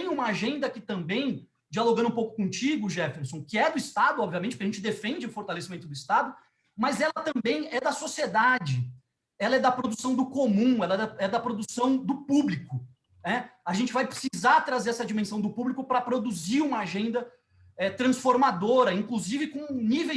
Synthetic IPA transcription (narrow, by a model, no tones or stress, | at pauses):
t̪ẽj̃ũmɐaʒẽnd̪ɐkɪt̪ɐ̃mbẽj̃ | d͡ʒialoɡɐ̃d̪ũpowkʊ̥kõt͡ʃiɡʊʒɛfeɾsõw̃kɪɛd̪ʊist̪ad̪ʊɔbviamẽtt͡ʃɪpkaʒẽt͡ʃɪd̪efẽnd͡ʒɪʊfoɾt̪alesimẽnt̪ʊd̪ʊist̪ad̪ʊ | mɐzɛlɐt̪ɐ̃mbẽj̃ɛd̪ɐsosied̪ad͡ʒɪ | ɛlɐɛd̪ɐpɾod̪usɐ̃w̃d̪ʊkomũɛlɐɛɐɛd̪ɐpɾod̪usɐ̃w̃d̪ʊpublikʊ | nɛaʒẽnt͡ʃɪvajpɾɪ̥sizaɾt̪ɾazeɾɛsɐd͡ʒimẽsɐ̃w̃d̪ʊpublikʊpɾɐpɾod̪uziɾũmɐaʒẽnd̪ɐ | ɛt̪ɾɐ̃sfoɾmad̪oɾɐĩkluzivɪkõnivej